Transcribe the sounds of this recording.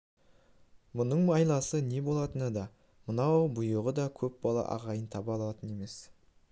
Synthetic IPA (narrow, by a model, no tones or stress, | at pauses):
mʊnəɴmɑjlˠɑsəne̞bo̞lˠɑt̪ənəd̪ɑ | mənɑwbʊjəʁəd̪ɑkʲʰɵp̚bɑlˠɑ̰ʔɑ̰ʁɑjənt̪ʰɑbɑlˠɑt̪əne̞me̞s